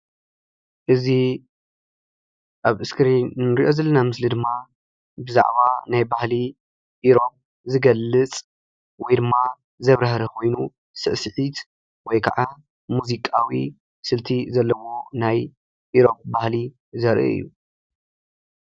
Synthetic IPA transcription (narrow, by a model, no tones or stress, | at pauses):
ʔɨzi | ʔaβʔɨskʰɨɾiɨɾiʔo̞zɐlɐnamɨslid̪ɨmːa | bɨza̰ʕβanajbahli | ʔiɾo̞p̚ | zɨɡɐlːɨt͡sʼ | wɔjd̪ɨmːa | zɐβɾɐɦɾɐkʰo̞jnu | sɨʔsɨħit̪ | wɔjkʰaʕʔa | muzikʼawḭ | sɨlt̪ʰizɐlːɐwo̞naj | ʔiɾo̞p̚ʼbahli | zɐɾʔiɨ̰jːu